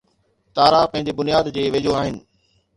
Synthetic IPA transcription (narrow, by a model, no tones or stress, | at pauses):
t̪aːɾapɐ̃ɦɪ̃ɲd͡ʑebʊnijaːd̪d͡ʑeːʋed͡ʑoaːɦɪnɪ̆